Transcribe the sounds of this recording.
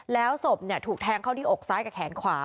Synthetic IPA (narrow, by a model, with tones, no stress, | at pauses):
lɛː˦˥wso˨˩p̚ni˥˩ət̪ʰuː˨˩k̚t̪ʰɛː˧˥ŋkʰa˥˩wt̪ʰiː˥˩ʔo˨˩k̚saː˦˥jka˨˩kʰɛː˩˦nkʰwaː˨˦